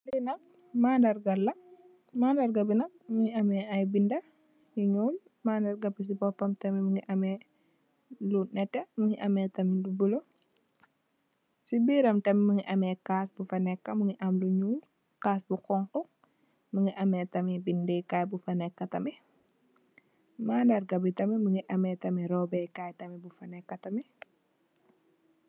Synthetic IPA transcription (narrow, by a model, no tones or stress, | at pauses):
lɛnɐk̚ | maːndɐɾɡɐlːɐ | maːndɐɾɡɐbinɐk̚muŋiɐmɛɐjbindɐ | jiɲuːl | maːndɐɾɡɐbis̬ibɔpːɐmtɐmimuŋiʔɐmɛ | lunɛtːɐmuŋiʔɐmɛːtɐmidubulo | sibiːɾɐmtɐmimuŋiʔɐmɛkaːsbufɐnɛkːɐmuŋiʔɐmluɲuːl | kaːsbukɔŋku | muŋiʔɐmɛtɐmibindɛkaːjbufɐnɛkːɐtɐmɛ | maːndɐɾɡɐbitɐmimuŋɡiʔɐmɛtɐmiɾɔbɛkajtɐmibufɐnɛkːɐtɐmi